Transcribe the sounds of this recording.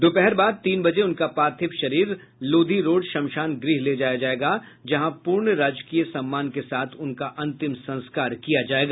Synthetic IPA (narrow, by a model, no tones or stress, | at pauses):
d̪opɛɦɛɾbaːd̪̚t̪iːnbɐd͡ʒeʊnkapaːt̪ʰɪpʃɐɾiːɾ | loːd̪ʱiɾoːɖʃɐmʃaːnɡɾɪɦled͡ʒaːjad͡ʒaːeːɡa | d͡ʒɐɦãpuːɾɳɾaːd͡ʒkiːjəsɐmːaːnkesaːt̪ʰʊnkaʔɐ̃nt̪ɪmsɐ̃nskaːɾkijad͡ʒaːeːɡaː